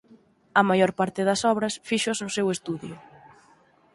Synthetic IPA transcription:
ɐmajɔɾpaɾt̪ɪðɐsɔβɾɐsfiʃʊznʊsewest̪uðjʊ

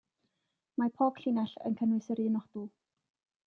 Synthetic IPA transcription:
mapʰoːb̥ɬɪnaɬə̰nkʰənwɨsəɾinɔχd̥uː

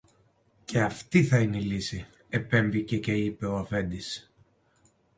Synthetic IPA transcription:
ce̞ɐft̪iθɐineilisi | e̞pe̞ɱvice̞ce̞ipe̞o̞ɐfe̞nd̪is

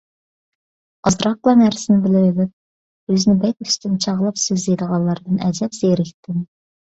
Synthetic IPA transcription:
ɑzɾɑq̚lˠɑnæɾsɪnɪbɪlɪɾlɪp̚ | øznɪbɛt̪yst̪ynt͡ʃʰɑʁlˠɑpsøzejd̪əʁɑllˠːɑɾd̪ɨnɛd͡ʒ̪ɛpz̥eɾɪkʲt̪ʰːɪm

